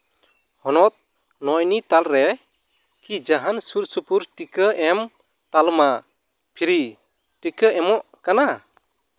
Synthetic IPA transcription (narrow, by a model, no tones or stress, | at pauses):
hɔnɔt̪̚ | nɔjnit̪alɾɛ | kid͡ʒaɦansuɾsupuɾʈikəɛm | t̪alma | pʰiɾi | ʈikəʔɛmɔʔkana